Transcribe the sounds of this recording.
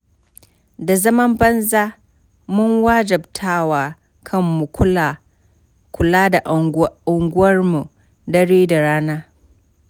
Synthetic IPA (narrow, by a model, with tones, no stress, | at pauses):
da˨zɐ˦mɐ˦mbɐ˦nzaː˦ | mʊ˦ŋwaː˦d͡ʒɐ˨btʰaː˦˨waː˨ | kʰɐ˦˨mːu˨kʊ˦a˨ | kʰʷʊ˨laː˦da˨ʔʊ˨ŋɡʷʊ˦wɐ˦rmu˨ | dɐ˦ɽeː˦da˨ɽaː˦naː˦